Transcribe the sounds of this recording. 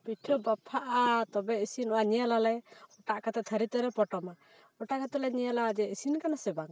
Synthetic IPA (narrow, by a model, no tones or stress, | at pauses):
piʈʰɔbapʰaʔat̪ɔbɛisinɔwaɲɛjalalɛɔʈaʔkat̪ɛt̪ʰəɾit̪ɛɾɛpɔʈɔma | ɔʈakat̪ɔlɛɲɛjalad͡ʒɛisinkanasɛbaŋ